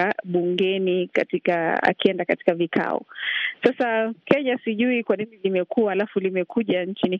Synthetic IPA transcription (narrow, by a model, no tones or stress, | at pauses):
aɓuŋɡɛnikatikaa̰kiɛndakati̥kavikʰa̰ɔ̰sasakɛɲasiʄuikwaninilimɛkuaalafulimɛkʰuʄant͡ʃini